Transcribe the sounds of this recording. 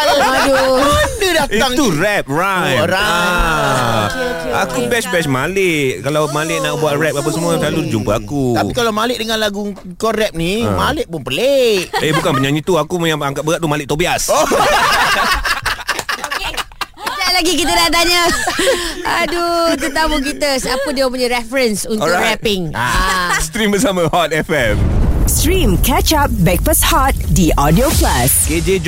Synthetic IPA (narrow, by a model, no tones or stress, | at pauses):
aduəədədaatiaŋurɛp̚raəɾaa | keeakubɛsbɛsmalɪʔʔkalawmalɪʔnaʔ̚buaʔrɛp̚apasəmuət̪lalud͡ʒumpəakut̪aikalawmalɪʔdəŋãnlaɡu | kɔrɛp̚nimalɪʔpʊnpəleʔehbukanpəɲaɲit̪uakujaŋaŋkat̪̚bəɣaʔt̪umalɪʔ̚t̪obias | ke | t͡ʃaʔlaɡikit̪ədadaɲə | adut̪ut̪amukit̪əsapədiəp̬uɲaɾɛfəɾənsuntoɾapɪŋa̰st̪ɾimbəsaməhɔt̪̚ɛfɛmstɾĩmkʰɛt͡ʃap̚bɛk̚pəshɔt̪̚diʔɔdioklasked͡ʒed͡ʒ